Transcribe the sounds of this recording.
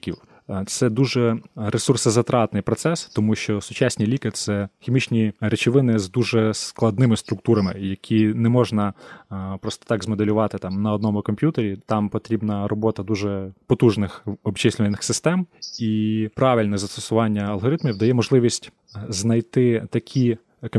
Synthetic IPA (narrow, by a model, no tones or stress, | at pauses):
kʲiw | t̪sɛd̪uʒɛɾesursɐzɐt̪ɾɑt̪nɪjpɾɔt̪sɛst̪ɔmuʃt͡ʃɔsʊt͡ʃɑsʲnʲijlʲikɪt̪t̪sɛxʲimʲit͡ʃnʲiɾet͡ʃɪʋɪnɪzd̪uʒɛsklˠɐd̪nɪmɪst̪ɾʊk̚t̪uɾɐmɪjɐkʲʰinɛmɔʒnɐpɾɔst̪ɔ̥t̪ɑɡzmɔd̪elʲʊʋɑt̪ɪt̪ɑmnɐɔd̪nɔmʊkɔmʲpʲjut̪eɾʲit̪ɑmpɔt̪ɾʲibnɐrɔbɔt̪ɐd̪uʒɛpɔt̪uʒnɪxɔbt͡ʃɪsʲlʲɪʋɐnɪxsɪst̪ɛmipɾɑʋʲilʲnɛzɐst̪ɔsʊʋɑnʲːɐɐlˠɦɔɾɪt̪mʲiwd̪ɐjɛmɔʒlˠɪʋʲisʲtʲ | znɐjt̪ɪt̪ɐkʲʰi